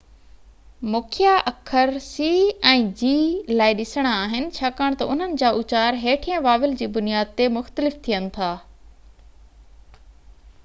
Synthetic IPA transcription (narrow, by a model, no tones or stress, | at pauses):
mʊkʰɪjaʔɐkʰəɾsiːɛ̃ːd͡ʑiːlaːɪɗɪsəɽ̃aaːɦɪnɪ̆t͡ɕʰaːkaːɽ̃t̪ɐʊn̤ənɪ̆d͡ʑaːʔʊt͡ɕaːɾɦeːʈʰijãʋaːʋɪld͡ʑiːbʊnijaːd̪̚t̪emʊxt̪əlɪft̪ʰijənɪ̆t̪ʰaː